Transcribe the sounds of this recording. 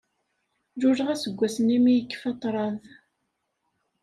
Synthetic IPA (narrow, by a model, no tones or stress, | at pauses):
ʒuʒʁæsəɡʷːæsənimijəkːə̥fɑt̪ˤːɾˤɑð